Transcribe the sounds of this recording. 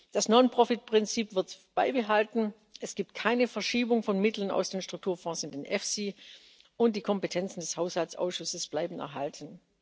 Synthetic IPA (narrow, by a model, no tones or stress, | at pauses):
d̥asnɔnpʁ̥ɔfɪt̚pʁ̥ɪnt͡siːpv̥ɪɐtb̥a̰ɪbəɦaltn̩ | ʔɛsɡ̥iːp̚t̚kʰaɪnəfɛɐʃiːbʊŋfɔnmɪtl̩əna̰ʊsd̥eːnʃtʁ̥ʊk̚tʰuːɐfɔ̃ːsɪnd̥eːnʔɛfsiː | ʊnt̚d̥iːkʰɔmpətʰɛnt͡sn̩dɛshaʊshalt͡sʔa̰ʊsʃʊsəsb̥laɪbn̩ɛ̰ɐɦaltʰn̩